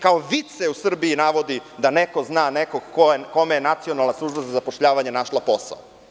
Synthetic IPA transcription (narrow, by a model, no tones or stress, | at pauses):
kaoʋit̪seusr̩biːnaʋo̞d̪id̪aneko̞znaːnekoɡkoeko̞mejenat̪sio̞nalˠnasˠuʒbazazapoʃʎaːʋaɲenaʃlapo̞sa̰o